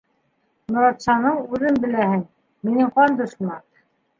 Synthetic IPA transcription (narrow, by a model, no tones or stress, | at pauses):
nŏɾɑt̪sɑnɤɴʉðɘnbɘ̆læhɘŋ | minɘɴqɑnd̪ɤ̆ʃmɑt̪